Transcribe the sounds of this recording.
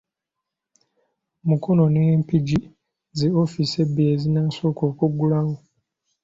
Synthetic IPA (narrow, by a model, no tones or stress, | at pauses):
mukʰono̞nempiɟi | zeofise̞bijezinaːsoːkoːkuɡulawo